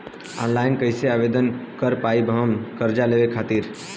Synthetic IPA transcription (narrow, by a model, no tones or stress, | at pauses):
ɔ̰nlajnkəɪseabed̪ənkəɾpaibʱəɦəmkəɾd͡ʒalebekʰat̪iɾ